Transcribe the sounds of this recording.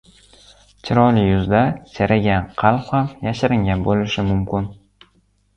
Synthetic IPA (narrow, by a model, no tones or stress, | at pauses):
t͡ʃʰɪɾɒlɪjʊzd̪ad͡ʒʰaɾaɡʲanqʰɑlˠqhamjaʃɪɾɪŋɡʲabolɪʃɪmʊmkʲɪn